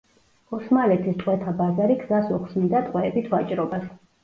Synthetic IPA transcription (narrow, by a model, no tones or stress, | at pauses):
ɔsmalɛt̪ʰist̪ʼqʼwɛt̪ʰabazaɾiɡzasuχsmid̪at̪ʼqʼwɛːbit̪ʰvat͡ʃʼɾɔbas